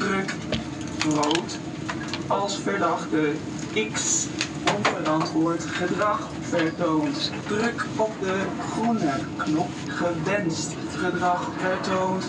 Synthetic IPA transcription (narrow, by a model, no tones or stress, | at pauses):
d̥rɵk | browt | ɑlˠsfəɹdɑχdə | ɪks | ɔnvərɑntʋʊːɹtχədrɑχ | fəɹtowntd̥rɵkɔp̚də | χɔnəknɔp̚ | χəʋɛnst | χədrɑχfəɹtownt